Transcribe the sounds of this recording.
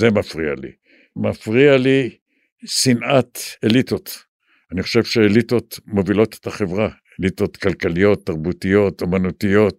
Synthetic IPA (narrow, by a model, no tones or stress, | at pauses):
zemafʁia̰lḭ | mafʁiali | sinʔat̪elit̪o̞t̪ | aniχo̞ʃe̞vʃeelit̪o̞tmo̞vilo̞t̪e̥t̪aχe̞vʁa | elit̪o̞t̪kalkalijo̞t̪ːaʁbut̪ijo̞t̪omanut̪ijo̞t̪